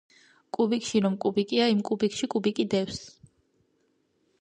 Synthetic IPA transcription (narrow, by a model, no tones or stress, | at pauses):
kʼubikʰʼʃiɾɔmkʼubikʼiaimkʼubikʼʃikʼubikʼid̪ɛws